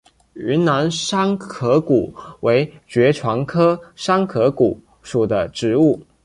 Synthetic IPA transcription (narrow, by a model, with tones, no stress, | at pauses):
y˧˥nna˧˥nʂa˥ŋkʰɤ˧˥ku˨˩˦we˧˥ɪt͡ɕɥɛ˧˥ʈ͡ʂʰwɑ˧˥ŋkʰɤ˥ʂa˥ŋkʰɤ˧˥ku˨˩ | ʂu˨˩d̪ə˦ʈ͡ʂɻ̩˧˥u˥˩